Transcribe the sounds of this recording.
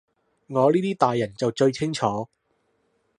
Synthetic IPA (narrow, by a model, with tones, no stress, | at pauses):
ŋɔː˨˧liː˥t̪iː˥t̪aː˨jːɐ˨˩nt͡sɐ˨wt͡ʃɵ˧ɥt͡sʰɪ˥ŋt͡ʃʰɔː˨˥